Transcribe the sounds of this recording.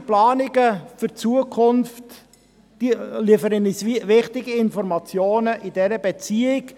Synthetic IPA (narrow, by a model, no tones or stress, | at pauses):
plaːnɪɡəfyɾt͡suəkʰʊnft | d̥iliːfəɾənisvɪχtɪɡiɪnfɔɾmɑt͡sjoːnəʔidɛɾəbɛt͡siːɪɡ